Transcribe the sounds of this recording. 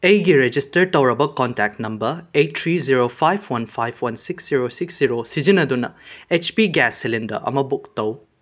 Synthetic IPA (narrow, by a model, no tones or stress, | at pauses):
ɐjɡiɾed͡ʒistɐɾtɐwɾɐbɐkɔntak̚tnɐmbɐɾejtʰɾiziɾopʰajbʰwɐnpʰajbʰwɐnsiksziɾosiksziɾosid͡ʒinɐd̪unɐet͡ʃpiɡɛsːilindɐ̰ʔɐ̰mɐbuk̚tɐw